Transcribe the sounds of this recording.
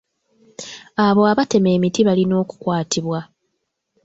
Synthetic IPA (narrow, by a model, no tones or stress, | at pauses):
aβo̞aβate̞meːmitiβalino̞ːku̥kwaːtʰiβwa